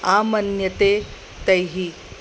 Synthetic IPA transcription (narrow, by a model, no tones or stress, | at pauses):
amɐnjət̪e | t̪əjɦi